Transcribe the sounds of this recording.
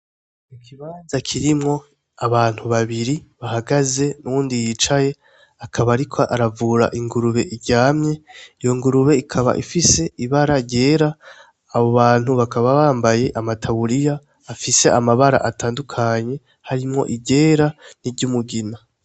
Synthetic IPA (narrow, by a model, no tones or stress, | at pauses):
ikʰiβaːnzakʰiɾimŋo̞ | aβaːn̥huβaβiɾiβahaɡaze̞nuuːndijiːt͡ʃaje̞ | akʰaβaːɾikʰoʔaɾavuɾa̰ʔiŋɡuɾuβe̞ʔiɾɟaːmɲe̞ijo̞ŋɡuɾuβe̞ikʰaβa̰ʔifise̞ʔiβaɾaɟe̞ːɾaː | βo̞βaːn̥huβakaβaβaːmbaje̞ʔamatʰaβuɾijaː | fise̞ʔamaβaɾa̰ʔataːndukʰaɲe̞ | haɾimŋo̞̰ʔiɟe̞ːɾaniɟumuɡina